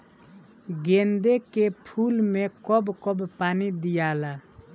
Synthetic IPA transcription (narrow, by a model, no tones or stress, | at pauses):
ɡẽːnd̪ekepʰuːlmẽkɔbkɔbpaːnid̪ɪjaːlaː